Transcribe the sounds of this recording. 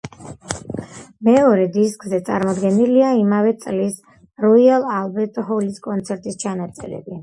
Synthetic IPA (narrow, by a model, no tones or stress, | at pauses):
mɛɔɾɛd̪iskʼzɛt̪sʼa̰ɾmɔd̪ɡɛniliaimavɛt̪sʼlis | ɾɔialˠalˠbɛɾt̪ʼɔhɔliskʼɔnt̪sʰɛɾt̪ʼist͡ʃʰanat̪sʼɛ̰ɾɛ̰bi